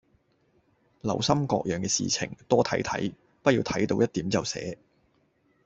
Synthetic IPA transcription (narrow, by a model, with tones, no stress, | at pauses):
lɐ˨˩wsɐ˥mkɔ̰ː˧k̚jœː˨ŋkɛː˧sḭː˨t͡sʰɪ̰˨˩ŋt̪ɔː˥t̪ʰɐ˨˥jt̪ʰɐ̰˨˥j | pɐ˥iː˧wt̪ʰɐ˨˥jt̪o˧wjɐ˥t̚t̪iː˨˥mt͡sɐ˨wsɛ̰ː˨˥